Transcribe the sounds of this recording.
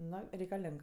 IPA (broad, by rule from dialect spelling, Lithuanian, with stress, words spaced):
ˈnoː rʲɛɪkɐˈlʲɛŋk